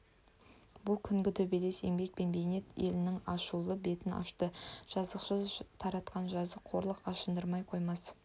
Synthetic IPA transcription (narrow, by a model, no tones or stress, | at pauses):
bʊlˠkʲʰʏŋɡʲɪt̪ʰɵbele̞se̞ŋbe̞k̚pe̞nbe̞jne̞t̪e̞̰lɪnɪŋɑʃulˠəbe̞t̪ɪnɑ̰ʃt̪əʒ̥ɑzəqʃəzt̪ʰɑɾɑt̪qɑnʒɑzəqʰo̞ɾlˠəqɑʃənd̪əɾmɑjqʰo̞jmɑs